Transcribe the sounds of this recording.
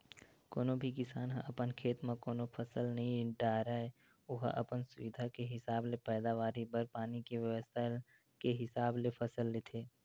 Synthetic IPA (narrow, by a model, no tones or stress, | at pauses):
koːnobʱikɪsaːnɦə̰̃ʔɐpənkʰeːt̪mãkoːnopʰəsəlnɐɦĩɖaːɾae | ʊɦʔə̰pənsʊʋɪd̪ʱakeɦɪsaːblepɛːd̪aːʋaːɾibəɾpaːnikeʋjəʋəst̪ʰa | keɦɪsaːblepʰəsəlːet̪ʰeː